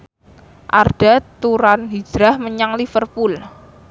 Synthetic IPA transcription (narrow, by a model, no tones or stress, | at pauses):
ʔa̰rɖ̥a̤t̪uɾanɦid̥ɾahməɲaŋlifərpul